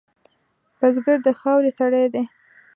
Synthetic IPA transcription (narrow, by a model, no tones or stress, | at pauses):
pazɡəɾd̪əxɑwɾesaɽajd̪e